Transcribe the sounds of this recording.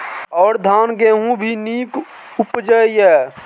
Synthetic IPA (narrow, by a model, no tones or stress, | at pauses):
ɔːɾd̪ʱaːnɡẽːɦũbʱiniːk | ʊpd͡ʒəiɛː